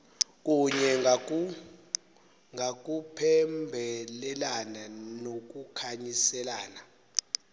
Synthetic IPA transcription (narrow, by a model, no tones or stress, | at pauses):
k̬ʼuɲɛ | ŋak̬ʼupʰɛmbʱɛlɛlananok̬ukʰaɲisɛlaːna